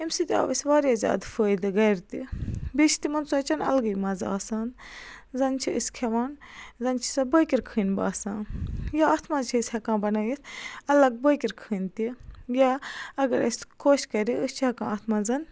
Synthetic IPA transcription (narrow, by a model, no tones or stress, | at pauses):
imsit̪ia̰ːʋɐsʲʋaːɾjaːzʲa̰ːd̪fəːjd̪ɨɡɐɾt̪ibiʃʰi̥t̪imɐnt͡suɐt͡ʃɐnɐ̰lɡɐjmɐza̰ːsaːnzɐnt͡ʃʰiəskʰeʋaːnzɐnt͡ʃʰi̥sɐbəjkʲiɾkʰɨːnba̰ːsãːjaaːt̪ʰmaːt͡ʃʰiəsʲhɐkãːbɐnɐjit̪ʰɐlɐɡ̚bəkiɾkʰɨːnt̪ijaɐɡɐɾɐ̰sʲkʰoːʃkɐɾiʔəst͡ʃʰihɐkãːaːt̪ʰmaːzɐn